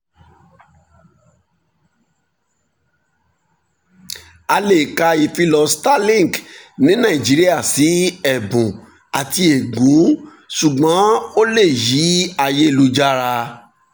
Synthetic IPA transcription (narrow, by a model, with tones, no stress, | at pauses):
a˧le˨ka˧i˨fi˧lɔ˧sta˦lĩ˦˨knĩ˨˦nã˦˨i˨d͡ʒi˨˦ɾi˦a˦˨si˨˦ɛ˨bũ˨ | a˨ti˧e˨ɡũ˨˦ | su˨ɡ͡bɔ̃˨˦o˦le˦˨ji˨˦a˧je˦˨lu˦d͡ʒa˦ɾa˧